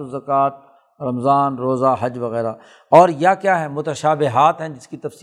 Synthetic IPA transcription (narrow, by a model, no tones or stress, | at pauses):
zɐkaːt̪̚ | ɾɐmzaːnɾoːzaɦɐd͡ʒʋɐɣɛːɾaː | ɔːɾjakjaːɦɛmʊt̪əʃaːbɪɦaːt̪ɦɛ̃d͡ʒɪskit̪ɐfsi